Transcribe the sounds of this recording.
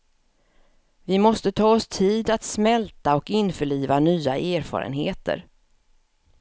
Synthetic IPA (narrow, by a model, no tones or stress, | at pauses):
vɪmɔst̪ət̪ʰɑːɔst̪ʰiːd̪at̪smɛlt̪aɔkɪnfœɭiːvanyːaʔeːɾfɑ̰ːɾə̰nɦeːt̪ʰə̰ɾ